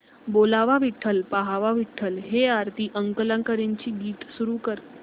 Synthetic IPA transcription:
boːlaːʋaʋɪʈʰːəlpaɦaʋaʋɪʈʰːəlɦeaːɾt̪iʔə̃ŋkələ̃ŋkəɾent͡ɕibiːʈsuɾukəɾ

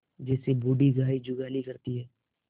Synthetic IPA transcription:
d͡ʒɛːsebuːɖiɡʱaːid͡ʒʊɡaːlikɐɾt̪iɦɛː

